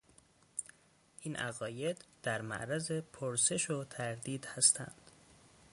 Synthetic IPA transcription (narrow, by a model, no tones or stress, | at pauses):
ʔiːnʔæ̰ɣɒːje̞d̪̥d̪̥æɾmæ̰ʔɾæze̞pʰoɾse̞ʃot̪ʰæɾd̪iːd̪hæst̪ʰæ̰nd̪̥